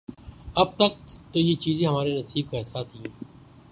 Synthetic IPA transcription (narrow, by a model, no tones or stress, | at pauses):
əb̚t̪ək̚t̪oːjeːt͡ʃiːzẽːɦəmaːɾeːnəsiːb̚kaɦɪsːaːt̪ʰĩː